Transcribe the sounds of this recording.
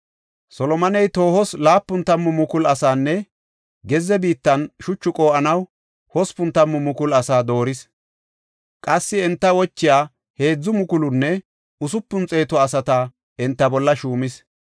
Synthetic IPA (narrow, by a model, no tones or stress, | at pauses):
sɔlɔmɐnɛjt̪o̞ːhɔslaːpːʊnt̪ɐmːʊmʊkʊlɐsaːnːɛ | ɡɛzːɛbiːt̪ːɐnʃʊt͡ʃːʊkʼo̞ːʔɐnɐw | hɔspʊnt̪ːɐmːʊmʊkʊlɐsaːd̪o̞ːɾɪs | kʼɐsːɪɛnt̪ːɐwɔt͡ʃːɪjaː | he̞ːd͡zːʊmʊkʊlʊnːɛ | ʊsʊpːʊnt͡sʼe̞ːt̪ɔɐsɐt̪a | ɛnt̪ːɐbɔlːɐʃuːmɪs